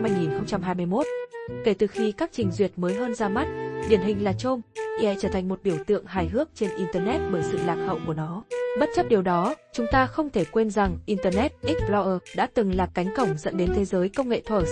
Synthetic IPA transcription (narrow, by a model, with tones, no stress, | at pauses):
mhaː˧jŋi˨˩nxə˧wŋ͡mt͡ɕa˧mɦaː˧jm˧əjmo˦˥t̚ke˧˩t̪ɨ˨˩xi˧kaː˦˥k̚t͡ɕï˨˩ŋ̟zwi˨˩ət̚məː˨˦jɦəː˧nzaː˧ma˦˥t̚ɗḭ˨˧˩ənɦï˨˩ŋ̟laː˨˩t͡ɕo˧mi˧˩hɛ̰˧˨t͡ɕəː˧˩t̪ʰa˨˩ŋ̟mo˨˩t̚ɓi˧˩əwt̪ɨ̰˧˨əŋɦaː˨˩jɦɨ˦˥ək̚t͡ɕe˧nʔi˧nt̪əː˧nɛ˦˥t̚ɓəː˧˩jsɨ̰˧˨laː˨˩k̚hə̰˧˨wku˧˩ənɔ˨˦ɓə˦˥t̚t͡ɕə˦˥p̚ɗi˨˩əwɗɔ˨˦t͡ɕʊ˨˦ŋ͡mt̪aː˧xə˧wŋ͡mt̪ʰe˧˩kwe˧nza˨˩ŋʔi˧nt̪əː˧nɛ˦˥t̚ʔi˦˥k̚ɓlɔ˧ʔəː˧˩ɗa̰ː˧˥t̪ɨ˨˩ŋlaː˨˩kka˨˦jŋ̟kə˧˩wŋ͡mzə̰˧˥nɗe˨˦nt̪ʰe˨˦zəː˨˦jkə˧wŋ͡mŋḛ˧˨t̪ʰəː˧˩